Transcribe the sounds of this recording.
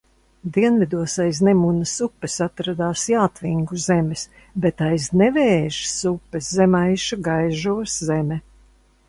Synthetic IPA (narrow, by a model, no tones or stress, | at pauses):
d̪iɛnvid̪uɔsajsnemunɐsupːɛsat̪ɾad̪aːsjaːt̪viŋɡuzemɛs | bet̪ajznɛvɛːʒsupːɛszemajʃuɡajʒuɔszɛmʲɛ